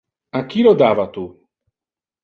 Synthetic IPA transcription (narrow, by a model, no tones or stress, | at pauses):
aŋk̟iːlod̪aːvat̪u